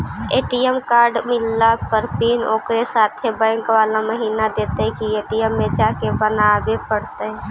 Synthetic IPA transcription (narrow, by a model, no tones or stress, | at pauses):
eːʈijəmkaːɾɖmɪlːapəɾpiːno̰ːkɾesaːt̪ʰebə̃ːŋkʋaːlaməɦiːnad̪eːt̪eɦɛ̃kieːʈijəmːed͡ʒaːkebənabepəɽt̪eɦɛ